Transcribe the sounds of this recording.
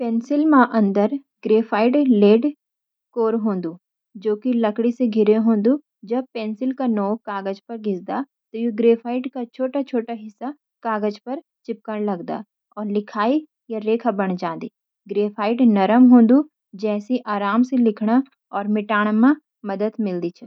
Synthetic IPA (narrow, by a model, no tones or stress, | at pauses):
pẽːnsɪlmãʔɐ̃nd̪əɾ | ɡɾeːfʰaːɪɖleːɖ | koːɾɦõːnd̪u | d͡ʒoːkilɐkɽiseɡʱɪɾeɦõːnd̪u | d͡ʒɐb̚peːnsɪlkanɔːkaːɡəd͡ʒpɐɾɡʱɪsd̪a | t̪ojuɡɾeːfʰaːɪɖkat͡ʃʰoːʈat͡ʃʰoːʈaɦɪsːa | kaːɡəd͡ʒpɐɾ | t͡ʃɪp̚kəɽlɐɡd̪a̰ː | ɔːɾlɪkʰaːi | jaɾeːkʰabɐɽ̃d͡ʒãːnd̪iː | ɡɾeːfʰaːɪɖnɐɾəmɦõːnd̪u | d͡ʒɛːsiʔaːɾaːmselɪkʰɽ̃a | ɔːɾmɪʈaːɽ̃mã | mɐd̪əd̪mɪld̪it͡ʃʰɛ